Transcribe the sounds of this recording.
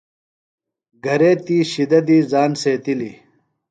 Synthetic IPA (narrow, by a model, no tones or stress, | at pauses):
ɡʱɐɾeːt̪iːɕid̪ɐd̪iːzaːnseːt̪ili